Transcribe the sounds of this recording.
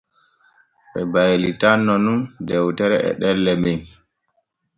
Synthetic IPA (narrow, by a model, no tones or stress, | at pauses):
ɓɛbajlitanːɔnundɛwtɛɾɛʔɛ̰ɗɛlːɛmin